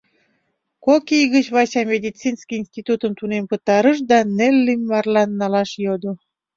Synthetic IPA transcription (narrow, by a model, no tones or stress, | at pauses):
kokijɣət͡ɕβɑt͡ɕɑmʲed̪ʲit͡sinskiinsʲt̪it̪ut̪əmt̪unempət̪ɑɾəʃ̬d̪ɑnelːimːɑrlɑnːɑlɑʃjod̪o